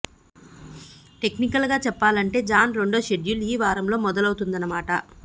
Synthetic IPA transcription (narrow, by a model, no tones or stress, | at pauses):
ʈe̞knikɐlɡaːt͡ʃɛpːaːlɐɳʈe̞ːd͡ʒaːnɾe̞ɳɖo̞ːʃe̞ɖjuliːʋaːɾɐmlo̞ːmɔd̪ɐlɐwut̪und̪ɐnːɐmaːʈɐ